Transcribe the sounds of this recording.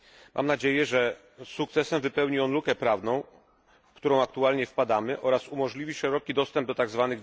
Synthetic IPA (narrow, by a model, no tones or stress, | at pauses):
mʔa̰mnad͡ʑejɛʐɛ | sukt̪sɛsɛmvɘpɛwɲiɔnlukɛpɾavnɔ̃w̃ | fkt̪uɾɔ̃w̃akt̪ualɲɛfpad̪amɘʔɔɾasumɔʐlʲivʲiʂɛɾɔkʲid̪ɔst̪ɛmb̚d̪ɔt̪aɡzvanɘɣ